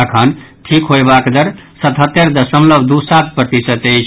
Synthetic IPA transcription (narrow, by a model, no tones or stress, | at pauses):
kʰənʈʰikɦoebakd̪əɾsət̪ɦət̪ːeɾd̪əsəmləbd̪usat̪̚ʰpɾət̪isət̪et͡ʃʰ